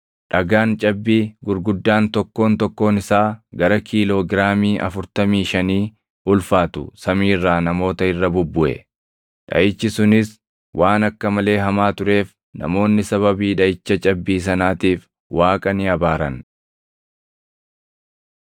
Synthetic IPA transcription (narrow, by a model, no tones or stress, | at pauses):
ᶑɐɡaːnt͡ʃʼɐbːiːɡʊɾɡʊd̪ːaːnt̪ɔkːo̞ːnt̪ɔkːo̞ːnɪsaːɡɐɾɐkʰiːlo̞ːɡɪɾaːmiːʔɐ̰fʊɾt̪ɐmiːʃɐniː | ʔʊlfaːt̪ʊ̰sɐmiːrːaːnɐmo̞ːt̪ɐɪrːɐbʊbːʊʔɛ̰ | ᶑɐ̰ʔɪt͡ʃːɪsʊnɪs | wʔaːnɐkːɐmɐle̞ːɦɐmaːt̪ʊɾe̞ːf | nɐ̰mo̞ːnːɪsɐβɐbiːᶑɐʔɪt͡ʃːɐt͡ʃʼɐbːiːs̬ɐnaːt̪iːf | waːkʼɐnɪɐbaːɾɐn